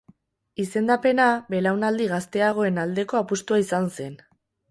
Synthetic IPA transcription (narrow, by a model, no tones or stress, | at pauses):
ise̞nd̪ape̞nabe̞lawnald̪iɣast̪e̞aɣ̞o̞e̞nald̪e̞ko̞apust̪uaisanse̞n